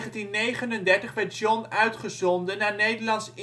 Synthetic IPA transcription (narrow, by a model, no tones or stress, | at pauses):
χəntinːejχənəndɛɹtəχʋɛɹtʒɔnœɥtχəzɔndənːaːnejdəɹlɑnsɪ